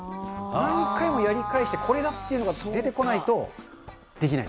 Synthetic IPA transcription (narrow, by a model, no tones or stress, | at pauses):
aikaimo̞jaɾʲikaiɕi̥t̪e̞kʰo̞ɾe̞d̪at̪ːe̞iɯ̟noasod̪e̞t̪e̞ko̞nait̪o̞ | d̪̥e̞kʲina̰i